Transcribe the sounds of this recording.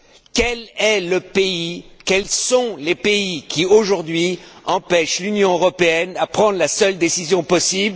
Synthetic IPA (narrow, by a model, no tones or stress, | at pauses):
kɛlɛləpeikɛlsɔ̃lepeikʲioʒuʁd̪ɥiɑ̃pɛʃlynjɔ̃øʁɔpeɛnapχɑ̃d̪ʁlasœld̪esizjɔ̃pɔsibl